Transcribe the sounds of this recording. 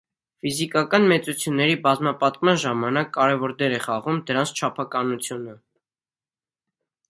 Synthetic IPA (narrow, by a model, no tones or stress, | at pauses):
fizikɑkɑnmɛt͡sut͡sʰjunːɛɾibɑzmɑpɑt̪kmɑnʒɑmɑnɑkːɑɾɛvɔɾd̪ɛɾɛχɑʁumd̪əɾɑnt͡sʰt͡ʃʰɑpʰɑkɑnut͡sʰjunə